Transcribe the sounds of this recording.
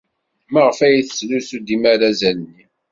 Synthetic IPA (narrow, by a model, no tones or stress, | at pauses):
məʁəfæjiθə̥slusud̪imaɾæzænnːi